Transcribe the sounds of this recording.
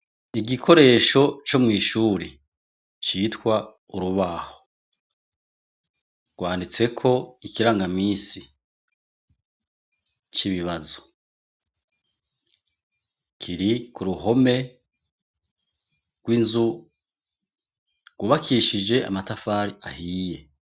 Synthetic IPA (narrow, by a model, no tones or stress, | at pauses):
iɡikʰo̞ɾe̞ːʃo̞t͡ʃo̞mŋiːʃuːɾe | t͡ʃitkwa | uɾuβaho̥ | ɡ̥waːndit͡se̞kʰo̞ikiɾaːŋɡamiːsi | t͡ʃiβiβazo̥ | kʰiɾikuɾuɦo̞me̞ | ɡ̥winzu | ɡ̥wuβakʰiʃid͡ʒe̞a̰matafaːɾiahiːje̞